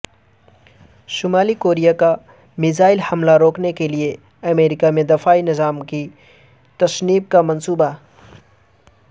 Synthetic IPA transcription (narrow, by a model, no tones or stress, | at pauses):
ʃʊmaːlikoːɾijaka | mɪzaːɪlhɐmlaɾoːknekelie | ɐmeːɾɪkamẽd̪ɐfaːinɪzaːmki | t̪ɐsniːb̚kamɐnsuːba